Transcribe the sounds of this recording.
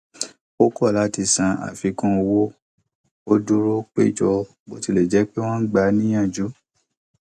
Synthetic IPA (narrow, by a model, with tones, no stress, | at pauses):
o˦kɔ˦˨la˨˦ti˧sã˧a̰˨fi˧kɔ̃˦o˧wo˦ | o˦du˦ɾo˦k͡pe˦˨d͡ʒɔ˧ | bo˨˦ti˧˨le˨d͡ʒɛ˨˦k͡pe˦w̃ã˦n̩˦ɡ͡ba˨˧˦nĩ˦j̃ã˦˨d͡ʒu˨˦